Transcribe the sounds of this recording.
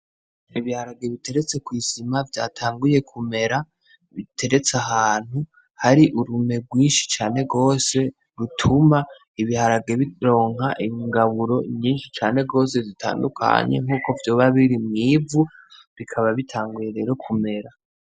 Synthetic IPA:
iβihaɾaɡe̞βite̞ɾet͡se̞kwiːzimavja̰ːtʰaːŋɡuje̞kʰume̞ɾa | βitʰe̞ɾe̞t͡saɦaːn̥hu | haɾiʔuɾume̞ɡwiːnʃi̥t͡ʃaːne̞ɡo̞ːse̞ | ɾutʰuma | iβihaɾaɡe̞βiɾo̞ːŋɦaʔiŋɡaβuɾo̞ɲiːnʃit͡ʃaːne̞ɡo̞ːse̞zitʰa̰ːndukʰa̰ɲe̞̰ŋ̥uːko̞vjo̞ːβaβiɾimŋiːvuβikʰaβaβitʰaːŋɡuje̞ɾe̞ːɾo̞kʰume̞ɾa

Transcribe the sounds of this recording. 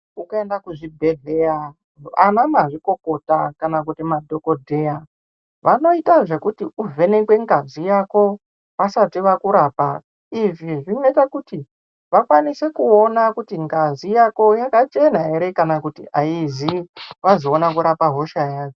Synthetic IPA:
ukaendakuʐibʱe̞ɮea | a̰namaʐiko̞ko̞takanakutimadʱo̞ko̞dʱe̞ja | ʋʔano̞itaʐe̞kutiuvʱe̞ne̞kwe̞ŋɡazijako̞ | pasatiʋakuɾaːpa | iʐiʐino̞itakuti | ʋakwanisekuo̞nakutiŋɡazijako̞jakat͡ʃe̞naɦe̞ɾe̞kanakutiʔaiziʋazo̞ːnakuɾapaɦo̞ʃajaːko

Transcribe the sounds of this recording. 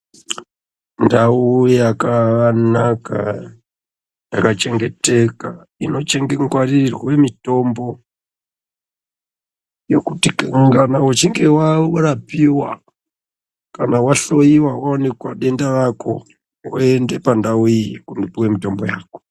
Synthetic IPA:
ndaujakanaka̰ | jakat͡ʃe̞ŋɡe̞te̞ka | ino̞t͡ʃe̞ŋɡeŋɡwarirwwe̞mito̞mbo̞ | jo̞kutikɡanawat͡ʃiŋɡe̞warapiwa | kanawaɬo̞iwawaonekwaɗe̞ndaʋako̰ | woende̞pandauikundipuwemito̞mbojaːko̥

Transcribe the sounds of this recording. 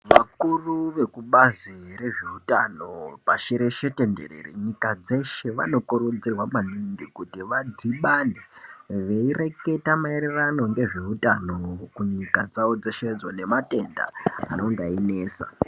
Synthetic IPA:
ʋakuruʋe̞kuɓaziɾe̞ʐeutano̞paʃeɾe̞ʃe̞te̞nde̞̰rḛrḭɲikad͡ze̞ʃe̞ʋa̰no̞koɾod͡zirwamaniŋɡikutiʋad͡zʱiɓaneʋe̞ire̞ke̞tamaeɾerano̞ŋɡe̞ʐe̞utano̞kuɲikad͡zaod͡zaʃed͡zwane̞mate̞nda̰a̰no̞ŋɡaineːsa̰

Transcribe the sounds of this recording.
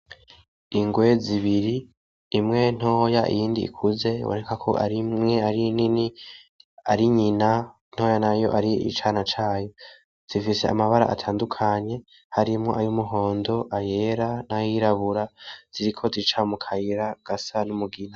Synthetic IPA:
iŋɡwe̞ziβiɾiː | mŋe̞n̥o̞ːjaʔḭjiːndiḭkʰuze̞wo̰ɾekakʰo̰ʔa̰ɾimŋe̞aɾinini | aɾiɲina | n̥ho̞ːjanajo̞̰ʔaɾiḭt͡ʃanat͡ʃaːjo̞ | z̥ifise̞̰a̰maβaɾa̰ʔa̰tʰaːndukʰaɲe̞ | haɾimŋo̞ʔaɾiumuɦo̞ːndo̞ʔaje̞ːɾanajiɾaβuɾaz̥iɾikʰo̞ziit͡ʃamukʰajiɾaɡ̥asanumuɡina

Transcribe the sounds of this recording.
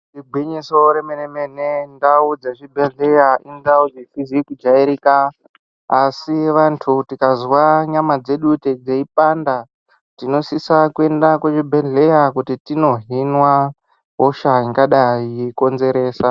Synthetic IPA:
tiɡʱwiɲisoɾemenemenendaud͡zaʐibʱeɮejaindaud͡zifizikud͡ʒaiɾikaː | siʋantʰutikazwaɲamad͡ze̞ɗuted͡zeipanda | tino̞sisakue̞ndakwet͡ʃibʱeɮe̞jakutitino̞ɦinwa | ɦoʃaiŋɡaɗaijeko̞nze̞ɾe̞ːsa

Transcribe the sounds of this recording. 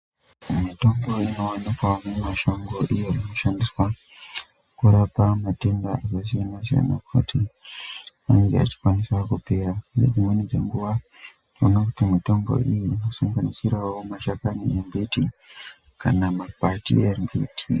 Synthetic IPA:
mito̞mɡo̞ino̞wanikwamemaʃo̞ŋɡo̞ʔijoino̞ʃandiswa | kuɾapamatendaakasiinas̬ea̰na̰kʰṵtʰi | aŋɡea̰t͡ʃi̥kwaniswakupe̞ɾainḛd͡zimwenid͡ze̞ŋɡuʋa | ronakutimito̞mɡo̞̰ʔijiino̞suŋɡanisiɾawo̞maʃakanḭembiti | ka̰namapatḭembitʰi

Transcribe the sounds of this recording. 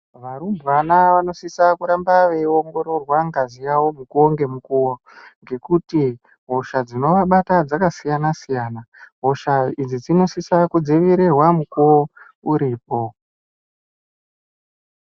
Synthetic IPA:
ʋaɾumbʋanaʋano̞sisakuɾambaʋe̞io̞ŋɡo̞ɾo̞rwaŋɡazijawo̞mukuoŋɡe̞mukuwo | ŋɡe̞kuti | ɦo̞ʃad͡zino̞ʋaɓatad͡zakasijanasijaːnaɦoʃaid͡zid͡zino̞sisakud͡ziʋiɾerwamukuo | uɾiːpo̞

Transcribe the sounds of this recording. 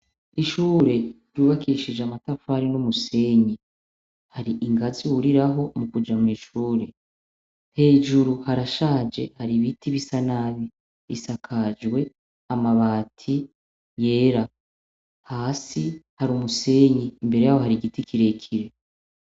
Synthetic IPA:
iʃuːɾe̞ | ɾuβakiʃid͡ʒamatafaɾinumuse̞ːɲi | haɾiʔiŋɡaziuɾiɾaɦo̞mukud͡ʒamiːʃuːɾe̞ | he̞ːʒuɾuhaɾaʃaːd͡ʒe̞haɾiβitiβisanaβi | βḭsakʰad͡ʒwe̞ | amaβaːtʰi | je̞ːɾa | haːsihaɾumuse̞ɲimbe̞ɾe̞jahoɦaɾiɡitikiɾe̞kʰiɾe̞

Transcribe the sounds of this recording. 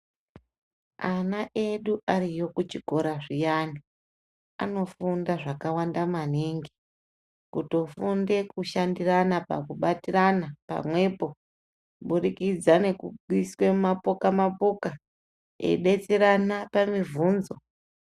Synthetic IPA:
anaʔe̞ɗuʔarijo̞kut͡ʃiɡʱo̞ɾaʐijani | a̰no̞fundaʐakawandamaneŋɡi̥ | kuto̞funde̞kuʃandiranapa̰kuɓatiranapa̰mwe̞po̞ | ɓuɾikid͡zane̞kuɡwiswe̞mapokamapoka | e̞̰ɗe̞t͡seɾanapamivuːnzo̞

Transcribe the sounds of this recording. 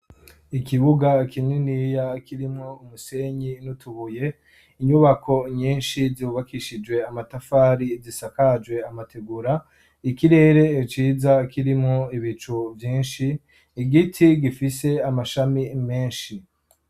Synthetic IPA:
ikiβuɡakininijakiɾimŋoumuse̞ɲinutuβuje̞ | iɲuβakʰo̞ɲiːnʃiziuβakiʃid͡ʒwe̞amatafaːɾizisakad͡ʒwe̞amateɡuɾa | ikiɾe̞ːɾe̞ːt͡ʃiːzakiɾimŋoiβit͡ʃuvjiːnʃiː | ɡitʰiɡifise̞amaʃamime̞ːnʃi

